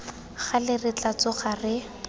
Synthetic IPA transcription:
χalɪrɪt͡ɬat͡sɔχarɪ

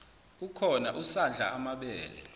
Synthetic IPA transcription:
ukʰɔnaʔusand͡ɮʱaamaɓɛːlɛ̰

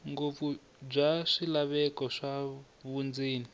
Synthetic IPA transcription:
ŋɡofu | b͡ʐaʂilaβɛkɔʂa | βund͡ziːni

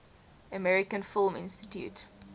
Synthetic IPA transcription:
əmɛɹɪkə̃nfɪlˠmɪ̰̃nstitʰjṵt

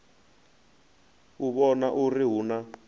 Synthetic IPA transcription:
uβɔnaʔuriɦuna

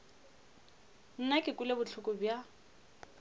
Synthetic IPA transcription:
n̩nakʼɪkʼʊlebʊt͡ɬʰʊkʼʊbja

